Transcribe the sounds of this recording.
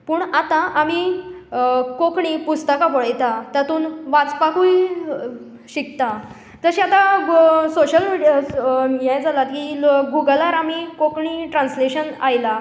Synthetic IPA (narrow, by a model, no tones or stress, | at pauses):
puːɳat̪ãʔami | kokɳipust̪əkapəɭəjt̪at̪at̪uːnʋat͡spakũːj | ɕik̚t̪a | d͡zəɕiat̪ãsoɕəlmiɽajɛjd͡zalat̪kiːɡuɡəlaɾamiːkokɳiʈɾãnsleɕənajla